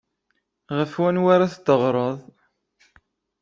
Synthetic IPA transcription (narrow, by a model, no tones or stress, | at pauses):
ʁəfwænwaɾaθt̪ːəʁɾˤəðˤ